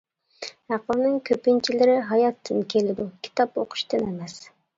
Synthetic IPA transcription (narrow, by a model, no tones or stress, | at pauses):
æqəlˠnɪŋkʲʰøpint͡ʃʰilɪɾɪɦɑjɑt̪ʰːɨnkʲʰelɪd̪ukʲʰi̥t̪ɑpo̰qʰʊ̥ʃt̪ɨnemɛs